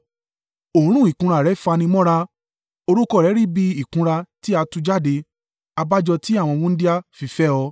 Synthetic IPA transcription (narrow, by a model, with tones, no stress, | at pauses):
o˨˦ɾ̃ũ˦˨i˨kũ˧ɾa˧˨ɾɛ˨˦fa˧nĩ˧mɔ̃˦ɾa˧ | o˧ɾu˦kɔ˦˨ɾɛ˨˦ɾi˦˨bi˧i˨kũ˧ɾa˧ti˦a˧tũ˧d͡ʒa˦˨de˧ | a˧ba˦d͡ʒɔ˧ti˦a˦˨w̃ɔ̃˧wũ˦n̩˦di˦a˦fi˧fɛ˦ɔ˧